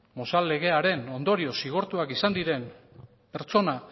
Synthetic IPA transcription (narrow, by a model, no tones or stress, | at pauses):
mo̞salːe̞ɣe̞aɾe̞no̞nd̪o̞ɾio̞siɣ̞o̞ɾt̪uakisand̪iɾe̞m | pe̞ɾt͡so̞na